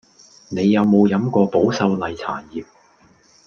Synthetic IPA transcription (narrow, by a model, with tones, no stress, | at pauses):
ne˨˧jːɐ˨˧wmo˨˧wjɐ˨˥mkɔː˧po˨˥wsɐ˧wlɐ˨jt͡sʰa̰ː˨˩njiː˨p̚